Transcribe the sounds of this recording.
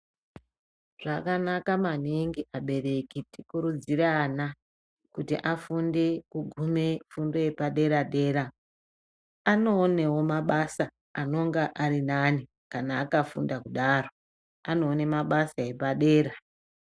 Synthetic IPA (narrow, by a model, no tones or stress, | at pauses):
ʐ̥akanakamaniŋɡiʔaɓe̞re̞kitikuɾud͡ziɾeana | kutḭʔafunde̞kuɡʱume̞fundo̞je̞paɗe̞ɾaɗe̞ːɾa | ano̞ːne̞wo̞maɓasa | ano̞ŋɡaʔaɾinani | kanaːkafṵndakuɗaro̞ | ano̞ːne̞maɓasae̞paɗe̞ːɾa